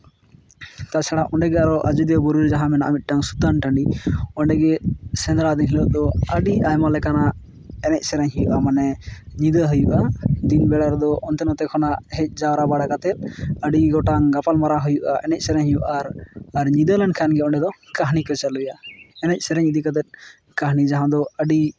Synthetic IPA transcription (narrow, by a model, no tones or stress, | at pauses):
t̪at͡ʃʰɛɽaʔɔɳɖɛɡɛaɾɔʔa̰d͡ʒud̪ijɔbɔɾuɾd͡ʒaɦamɛna̰ʔmit̪̚ˀʈaŋsut̪anʈaɳɖiɔɳɖɛɡɛsɛnd̪ɾad̪inɦilɔʔd̪ɔəɖiʔajmalɛkanaʔ | ɛnɛc̚ˀsɛɾɛɲɦijuʔamanɛɲid̪əɦəjuʔad̪inbɛɽaɾd̪ɔʔɔnt̪ɛnɔt̪ɛkʰɔnaʔɦɛc̚ˀd͡ʒawɾabaɽakat̪ɛt̪̚əɖiɡɔʈaŋɡapalmaɾaɦujuʔa̰ɛnɛc̚ˀsɛɾɛɲɦijuʔaɾaɾɲid̪əlankʰanɡɛɔɳɖɛd̪ɔkaɦnikɔt͡ʃalujaɛnɛc̚ˀsɛɾɛɲid̪əkat̪ɛt̪̚ˀ | kaɦnid͡ʒaɦãd̪ɔəɖi